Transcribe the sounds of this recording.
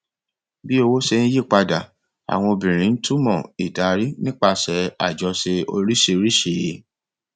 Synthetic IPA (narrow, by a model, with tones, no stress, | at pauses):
bi˦o˧wo˦ʃe˧nĩ˦je˦˨k͡pa˧da˨ | a̰˨w̃ɔ̃˧o˧bĩ˨ɾ̃ĩ˨˦n̩˦tu˦mɔ̰̃˦˨i˨da˨ɾi˦nĩ˦k͡pa˧sɛ˨˦a̰˨d͡ʒɔ˧se˧o˧ɾi˦ʃe˧ɾi˦ʃe˧˨˦